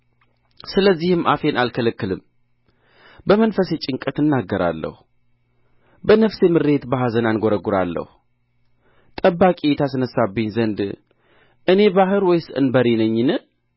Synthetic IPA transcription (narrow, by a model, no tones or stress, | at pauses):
sɨləzːihɨmʔa̰fe̞nʔalkʰələkːɨlɨm | bəmənfəse̞t͡ʃʼɪŋkʼət̪ɨnːaɡːəɾa̰lːə̰hu | bənəfse̞mɨɾe̞t̪baɦazənanɡʷoɾəɡuɾa̰lːə̰hu | t̪ʼəbːakʼit̪ʰasɨnəsːabiɲzənd̪ | ʔɨne̞baɦɨɾwɔjsɨʔɨ̰nbəɾinəɲːɨnɨ